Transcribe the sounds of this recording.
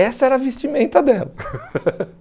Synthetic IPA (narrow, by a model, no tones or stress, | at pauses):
ɛsɐɛɾɐːvest͡ʃimẽnt̪ɐd̪ɛlɐ